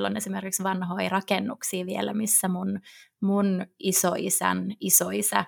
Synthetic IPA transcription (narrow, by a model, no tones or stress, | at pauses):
lːonesimerkiksʋɑnɦo̞irɑkenːuksiːʋielæmisːæmunmunʔisoʔisæ̰nisoisæ̰